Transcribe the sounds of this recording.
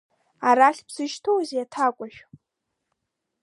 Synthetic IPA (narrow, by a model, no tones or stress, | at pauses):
aɾaɬʲbz̥ɨʒtʰowzjatʰakʷʼaʃᶣ